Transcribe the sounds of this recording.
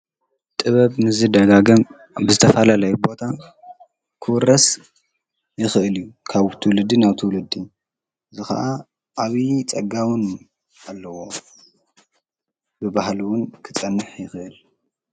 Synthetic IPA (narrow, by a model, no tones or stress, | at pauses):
t̪ʼɨβɐβnɨzɨd̪ɐɡaɡɐm | bɨzɨt̪ʰɐfɐlalɐjbo̞t̪ʰa | kʰɨwɾɐs | jɪxɨʔɨljukʰaβt̪ʰɨwlɨd̪ːinaβt̪ʰɨwlɨd̪i | ʔɨzɨxɐ̰ʔa | ʔaβit͡sʼɐɡawʊn | alːɐwo̞ | bɨbahlwʊnkʰɨ̥t͡sʼɐnːɨħjɪxʔɨl